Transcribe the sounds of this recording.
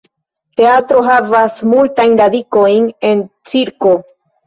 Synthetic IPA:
te̞atɾo̞ɦavasmultajnɾadiko̞jne̞nt͡siɾko̞

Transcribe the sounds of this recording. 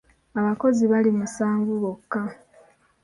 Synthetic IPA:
aβako̞ziβalimusaːŋɡuβokːa

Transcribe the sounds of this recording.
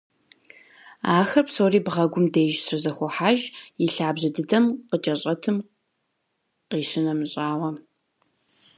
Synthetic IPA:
aːxɐpsoːriːbʁɐɡʷʊmdejʒsrɨzɐxʷɔħaːʒjɪɬaːbʑɐdɨdɐmqət͡ʃʼɐɕʼɐtʰɨm | qiːɕɪnɐmɨɕʼaːwɐ

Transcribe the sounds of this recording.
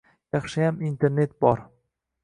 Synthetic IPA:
jɑχʃɪjamint̪ʰe̞ɾne̞t̪̚bɒɾ

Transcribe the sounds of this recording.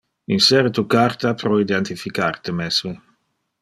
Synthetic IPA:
insɛɾet̪ukart̪apɾɔid̪ɛnt̪ifikart̪emɛsmi

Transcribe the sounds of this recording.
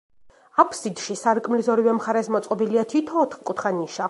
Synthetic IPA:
apʰsid̪ʃisaɾkʼmlizɔɾivɛmχaɾɛsmɔt̪sʼqʼɔbiliat̪ʰit̪ʰɔːt̪χkʼut̪ʰχaniʃa

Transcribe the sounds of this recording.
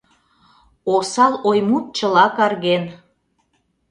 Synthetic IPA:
osɑlojmut̪̚t͡ɕə̆lɑkɑrɣen

